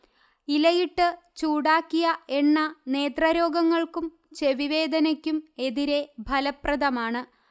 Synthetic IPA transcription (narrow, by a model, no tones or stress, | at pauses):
ilɐjiʈːɨ | t͡ɕuːɽaːkːijɐe̞nːɐne̞ːt̪rɐɾo̞ːɡɐŋːɐɭkum | t͡ɕe̞ʋiʋe̞ːd̪ɐnɐkʲːume̞ðiɾe̞bʱɐlɐprɐd̪ɐmaːɳɨ